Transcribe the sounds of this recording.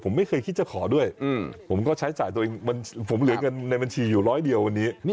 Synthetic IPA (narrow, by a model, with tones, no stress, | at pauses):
pʰo˩˦ma˥˩jkʰɤː˧jkʰi˥˩t̪̚t͡ɕa˨˩kʰɔː˩˦du˥˩əjpʰo˩˦mkɔː˥˩t͡ɕʰa˦˥t͡ɕaː˨˩jt̪u˧əʔeː˧ŋa˧npʰo˩˦mlɯ˩˦ɐka˧nːa˧jba˧nt͡ɕʰiː˧juː˨˩ɾɔː˦˥jdi˧əwːa˧nːiː˦˥